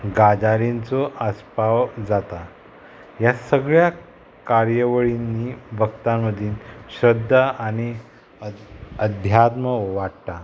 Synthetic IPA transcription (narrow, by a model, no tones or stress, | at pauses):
ɡad͡zaɾint͡soʔaspawd͡zat̪a | jasəɡɭja | kaɾjəʋəɭinːibəkt̪ãmːəd̪ʱiːnɕɾəd̪ʱːaaɽ̃i | əd̪ʱjat̪məʋaʈt̪a